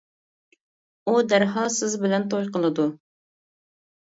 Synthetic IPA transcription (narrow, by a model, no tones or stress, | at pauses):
ud̪æɾɦɑsɪzbɪlɛnt̪ʰojqəlˠɨd̪u